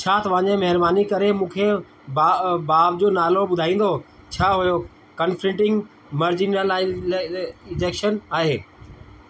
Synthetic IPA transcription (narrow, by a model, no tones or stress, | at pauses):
t͡ɕʰaːt̪ɐʋ̤ãːɲẽmɐɦɪɾbaːnikɐɾemũːkʰe | baːʋd͡ʑoːnaːloɓʊd̪ʱaːĩːn̆d̪o | t͡ɕʰaːɦujo | kɐnfʰɾɪ̃ɳʈɪ̃ŋɡ | məɾd͡ʑinəl | ɪd͡ʑeːkʃənaːɦeː